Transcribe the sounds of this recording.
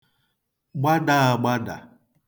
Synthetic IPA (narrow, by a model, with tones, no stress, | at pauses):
ɡ͡ba˦da˨a˨ɡ͡ba˦da̰˨